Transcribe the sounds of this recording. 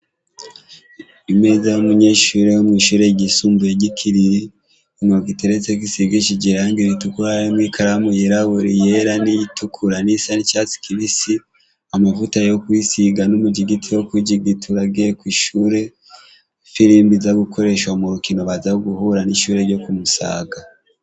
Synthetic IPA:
imeːzajomuɲe̞ʃuɾe̞jomŋiːʃuːɾe̞ɟisuːmbujeɟikʰiɾiɾi | moɡiteɾet͡sek̬isiɡit͡ʃiɟiɾaːŋɡiɾitukuɾajimŋikaɾamujeɾaβuɾijeɾanijitukʰuɾanisanicat͡si̥kiβisi | amavutajjokwisiɡanomuɟiɡitʰijokwiɟiɡitʰuɾaɡiɾekwiːʃuːɾe̞ | fiɾimbizaɡukʰo̞ɾe̞ʃwamuɾukino̞βazaoɡuhuɾaniʃuːɾe̞ɾɟo̞kumusa̰ːɡa

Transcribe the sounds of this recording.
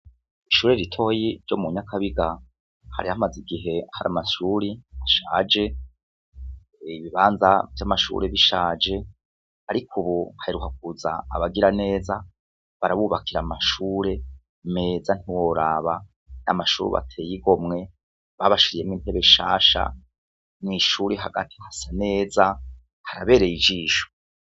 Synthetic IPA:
iʃuːɾeɾitʰo̞ːjiɾɟo̞muɲakʰaβiɡa | ha̰ɾihamaziɡiɦe̞haɾamaʃuːɾiaʃaːd͡ʒe̞ | iβiβaːnzavjamaʃṵːɾe̞βiʃaːd͡ʒe̞ | haɾikʰuβuhaiɾukak̚uza̰ːβaɡiɾane̞ːza | βaɾaβuβakʰiɾamaʃuːɾe̞ | me̞ːzan̥iwo̞ɾaːβa | na̰maʃuːɾṵβa̰tʰe̞ːjiɡo̞mŋe̞ | βaβaʃiɾije̞mŋiːntʰeβeʃa̰ːʃa̰ | mŋiʃuːɾeɦaɡa̰tʰi̥hasane̞ːza | haɾaβe̞ːɾejid͡ʒiːʃo̥

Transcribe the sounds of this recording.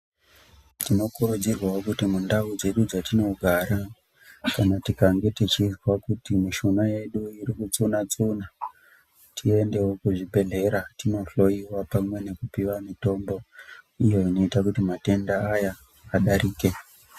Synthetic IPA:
tino̞kuɾud͡zirwaokutimundaud͡ze̞ɗud͡zatino̞ɡʱaɾa | kanatikaŋɡe̞tit͡ʃizwakutimiʃunaje̞ɗuiɾikut͡sunat͡suna | tʰie̞nde̞wo̞kuʐibʱe̞ɮe̞ɾatino̞ɬo̞iwapamwe̞ne̞kupiʋamito̞mbo̞ijo̞ino̞itakutimate̞ndaːjaː | ɗaɾiːke̞

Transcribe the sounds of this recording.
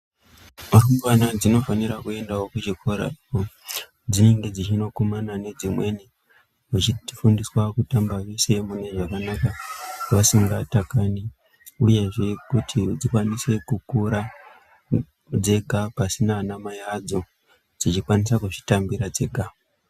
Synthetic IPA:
marumɡwanad͡zino̞faniɾakue̞ndaokud͡ʒikʰo̞ɾa̰ko | d͡zine̞ŋɡe̞d͡zit͡ʃino̞ko̞manane̞d͡zimwe̞ni | mut͡ʃifundiswakutambajo̞se̞mune̞ʐakanakaʋasiŋɡatakani | uje̞ʐe̞kutʰid͡zikwanise̞kukuɾa | d͡ze̞ɡʱapasinanamajad͡zo̞ | d͡zit͡ʃikwanisakuʐi̥tambiɾad͡ze̞ɡʱa

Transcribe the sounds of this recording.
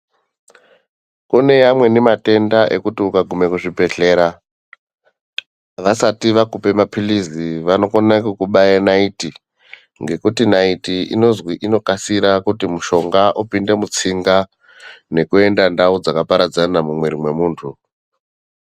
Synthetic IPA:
kune̞jamwe̞nemate̞ndaʔe̞kutiukaɡʱume̞kuʐibʱe̞ɬe̞ːɾa | ʋasatiʋakupe̞mapʰiliziʋano̞konakukuɓajanaiti | ŋɡe̞kutinaitiḭno̞zwiʔino̞kasiɾakutimuʃo̞ŋɡaʔupinde̞mut͡siŋɡa | ne̞kue̞ndandaud͡zakapaɾad͡zanamumweɾimwe̞muːntʰu

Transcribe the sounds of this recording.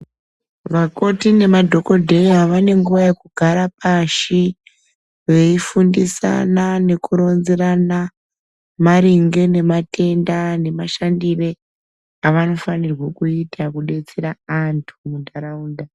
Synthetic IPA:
ʋako̞tine̞madʱo̞ko̞dʱe̞aʋane̞ŋɡuʋaje̞kuɡʱaɾapaʃi | ʋe̞ifundisa̰nane̞kuɾo̞nzeɾana | maɾiŋɡe̞ne̞matʰe̞ndane̞maʃandire̞ | aʋano̞fanirwakuitʰakuɗe̞t͡seɾaantʰumundaɾauːnda

